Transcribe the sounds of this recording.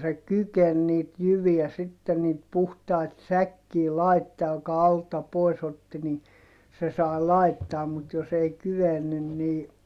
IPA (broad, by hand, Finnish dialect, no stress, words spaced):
se kyken niːt jyʋiæ sitːen niːt puhtɑit sækːiː lɑitːɑː j̆ŏkɑ ɑltɑ pois otːi ni se sɑi̯ lɑˑitːɑːm mut jos ei kyʋenːyn niː